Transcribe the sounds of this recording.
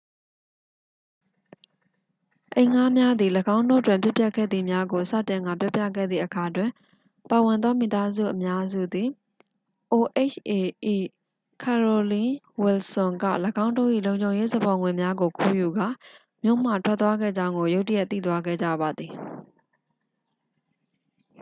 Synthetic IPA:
ʔẽ˨ɪ̃ŋa˦mja˦d̪i˨ləɡã˦ʊ̃ndo̰˦˨twɪ̃˨mpjʊ˦pjɛ˦ʔkʰɛ̰˦˨d̪ði˨mja˦ɡo˨sä̰˦˨tɪ̃˨ŋɡa̰˦˨pjɔ˦pjä̰˦˨ɡɛ̰˦˨d̪ðḭ˦˨ʔəkʰa˨twɪ̃˨ | pa˨wɪ̃˨nd̪ðɔ˦mḭ˨t̪a˦zṵ˦˨ʔəmja˦zṵ˦˨d̪i˨ | ʔo˨ʔe˦˨t͡ʃʔe˨ʔi˨ | kʰɛ˨ɹo˨lĩ˦ | wɪ˨lsʊ̃˨ŋɡä̰˦˨ləɡã˦ʊ̃ndo̰˦˨ʔḭ˦˨lõ˨ʊ̃ɲd͡ʑõ˨ʊ̃je˦zə˨bɔ˨ŋwɪ̃˨mja˦ɡo˨kʰu˦˨ju˨ɡa˦˨ | mjo̰˦˨m̥ä̰˦˨tʰwɛ˦t̪t̪wa˦ɡɛ̰˦˨d͡ʑã˦ʊ̃ŋɡo˨jo˦ʊtə˦jɛ˦t̪ːḭ˦˨t̪wa˦ɡɛ̰˦˨d͡ʑa̰˦˨ba˨d̪ði˨

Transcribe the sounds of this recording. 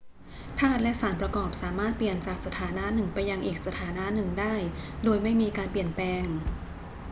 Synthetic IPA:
t̪ʰaː˥˩t̪̚lɛ˦˥ʔsaː˩˦npɾa˧kɔː˨˩p̚saː˩˦maː˥˩t̪̚pli˨˩ənt͡ɕaː˨˩k̚sa˧t̪ʰaː˩˦na˦˥ʔnɯ˨˩ŋpa˧jːa˧ŋʔiː˨˩k̚sa˧t̪ʰaː˩˦na˦˥ʔnɯ˨˩ŋdaː˥˩jdoː˧jma˥˩jmiː˧kaː˧npli˨˩ənplɛː˧ŋ

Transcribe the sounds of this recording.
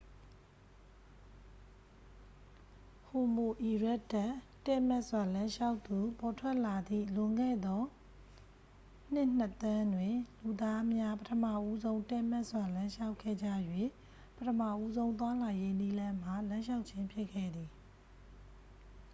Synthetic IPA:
ho˨mo˨ʔi˨ɹɛ˦ʔtːa˦˨ | tɛ˦˨mɛ˦ʔswa˨lã˦ʃa˦ʊʔt̪t̪u˨pɔ˨tʰwɛ˦ʔla˨d̪ḭ˦˨lʊ̃˨ŋɡɛ̰˦˨d̪ɔ˦ | n̥ɪ˦ʔn̥ə˦t̪ã˦ndwɪ̃˨lu˨d̪a˦mja˦pətʰəma̰˦˨ʔu˦zõ˦ʊ̃tɛ˦˨mɛ˦ʔswa˨lã˦ʃa˦ʊkʰːɛ̰˦˨d͡ʑä̰˦˨jwe˦˨ | pətʰəma̰˦˨ʔu˦zõ˦ʊ̃nt̪̬wa˦la˨je˦ni˦lã˦m̥a˨lã˦ʃa˦ʊʔt͡ɕʰɪ̃˦mpʰjɪ˦ʔkʰːɛ̰˦˨d̪i˨

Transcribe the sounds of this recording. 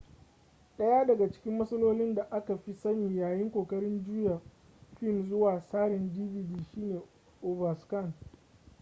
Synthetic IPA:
ɗɐ˦jaː˦dɐ˨ɡa˨t͡ʃɪ̥˦kʲɪ˦mːɐ˦sɐ˦loː˦lɪ˦nda˨ʔa˦ka˨ɸi˦sɐ˦niː˨jaː˨jɪ˦ŋkʷoː˨kʼɐ˦ɽɪ˦nd͡ʒuː˦ja˨ | ɸɪ˦˨nzʊ˦waː˨saː˦ɽɪ˨ndiː˦viː˨diː˦˨ʃiː˦neː˨ | ʔoː˨vɐ˨skɐ˦˨n

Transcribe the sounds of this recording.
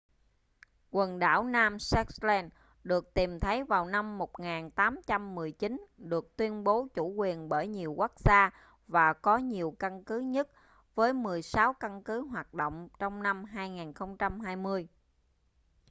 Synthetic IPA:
kwə˨˩nɗa̰ː˧˩wnaː˧msɛ˦˥k̚slɛ˧n | ɗɨ˨˩ək̚t̪i˨˩mt̪ʰə˨˦jvaː˨˩wna˧mːo˨˩t̚ŋaː˨˩nt̪aː˨˦mt͡ɕa˧mːɨ˨˩əjt͡ɕi˨˦nɗɨ˨˩ək̚t̪wi˧ənɓo˨˦t͡ɕu˧˩kwi˨˩ənɓəː˧˩jɲi˨˩əwka˦˥k̚zaː˧ | vaː˨˩kɔ˨˦ɲi˨˩əwka˧nkɨ˨˦ɲə˦˥t̚ | vəː˨˦jmɨ˨˩əjsa˨˦wka˧nkɨ˨˦ɦwaː˨˩t̚ɗo̰˧˨wŋ͡mt͡ɕɔ˧wŋ͡mna˧mɦaː˧jŋaː˨˩nxə˧wŋ͡mt͡ɕa˧mɦaː˧jmɨ˧əj

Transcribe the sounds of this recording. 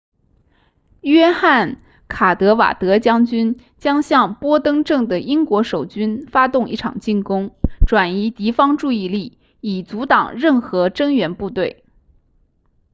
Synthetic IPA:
ɥɛ˥xa˥˩n | kʰa˨˩t̪ɤ˧˥wa̰˨˩t̪ɤ˧˥t͡ɕjɑ˥ŋt͡ɕy˥n | t͡ɕjɑ˥ŋɕjɑ˥˩ŋpwɔ˥t̪ɤ˥ŋʈ͡ʂɤ˥˩ŋd̪ə˩ʔi˥ŋkwɔ˧˥ʂo˨˩ʊt͡ɕy˥nfa˥t̪ʊ˥˧ŋi˥˩ʈ͡ʂʰɑ̰˨˩ŋt͡ɕi˥˩nkʊ˥ŋʈ͡ʂwa˨˩ni˧˥t̪i˧˥fɑ˥ŋʈ͡ʂu˥˧i˥˧li˥˩ | i˨˩t͡su˧˥t̪ɑ˨˩ŋɻə˥˩nxɤ˧˥ʈ͡ʂɤ˥ŋɥɛ˧˥npu˥˧t̪we˥˩ɪ

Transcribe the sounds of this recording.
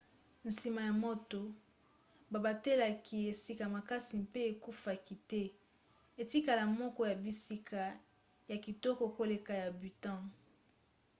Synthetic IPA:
n̩si˨ma˨ja˨mo˦to˨ | ba˨ba˨te˦la˨ki˨e˨si˦ka˨ma˨ka˦si˨mpe˦e˨ku˦fa˨ki˨tɛ˦ | e˨ti˦ka˨la˨mɔ˦kɔ˦ja˨bi˦si˦kʰa˨ | ja˨ki˨tɔ˦kɔ˨ko˦le˨ka˨ja˨by˨tã˦˨

